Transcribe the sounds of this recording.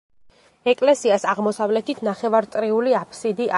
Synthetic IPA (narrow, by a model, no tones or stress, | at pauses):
ɛkʼlɛsiasaʁmɔsavlɛt̪ʰit̪ʰnaχɛvaɾt̪ʼɾiuliapʰsid̪iʔa